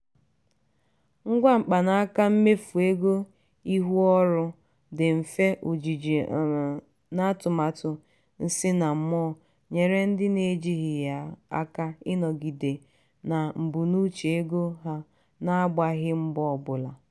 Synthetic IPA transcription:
ŋ̩˦ɡʷa˦ŋ͡m̩˨k͡pa˨na˦a˦ka˦m̩˦me˦fu˨e˦ɡo˦ | i˦ɦu˦ɔ˦ɾʊ˦ | dɪ˨m̩˨fe˦ʔu˨d͡ʒi˨d͡ʒi˨ | na˦tʊ˨ma˨tʊ˨ | n̩˦sɪ˦na˨m̩˦mɔ˦˨ | ɲe˨ɾe˦n̩˦dɪ˦ne˨˦d͡ʒi˦ɦɪ˨ja˨a̰˦ka˦ɪ˦nɔ˨ɡi˨de˨ | na˨m̩˨bu˨nu˦t͡ʃe˨e˦ɡo˦ɦa˦ | na˦ɡ͡ba˦ɦɪ˦m̩˦bɔ˦˨ɔ˦˨bʊ˨la˨

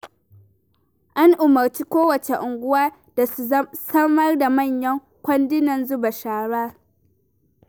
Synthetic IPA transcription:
ʔa˦ŋʔʊ˨mɐ˨rt͡ʃiː˦kʷoː˦wɐ˨t͡ʃe˨ʔʊ˨ŋɡʷʊ˦waː˦ | d̥a˨u˨˦sɐ˦mɐ˦rda˨mɐ˦˨ɲjɐ˦ŋ | kʷɐ˦ndɪ˦nɐ˨nzʊ˦ba˨ʃaː˨˦ɽaː˦

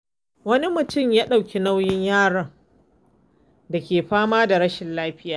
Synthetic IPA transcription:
wɐ˦ni˦mʊ˨tʊ˦˨mjaː˦ɗa˨wkʲi˨na˦wjɪ˦ɲjaː˦˨ɽɐ˨ŋ | da˨kʲeː˨ɸaː˦maː˦da˨ɾɐ˦ʃɪ˨nlaː˦ɸɪ˦jaː˦˨

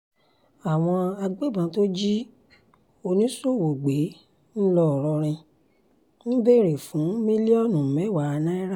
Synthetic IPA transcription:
a˨w̃ɔ̃˧a˧ɡ͡be˦˨bã˧˦to˦d͡ʒi˦ | o˧nĩ˦so˦˨wo˨ɡ͡be˨˦ | n̩˦lɔ˦˨ɾɔ˧ɾ̃ĩ˧ | ñ̩˦be˦˨ɾe˨fũ˨˦mĩ˦li˦ɔ˦˨nũ˨mɛ̃˨˦˨wa˨˧nã˦i˦ɾa˦

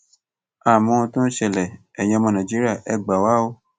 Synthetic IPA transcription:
a˦˨mɔ̃˧ũ˧tũ˦ʃɛ˧˨lɛ˨ | ɛ˨j̃ɛ̃˧mɔ̃˧nã˨d͡ʒi˦ɾa˦˨ʔɛ˧˨ɡ͡ba˨wa˦o˧˦

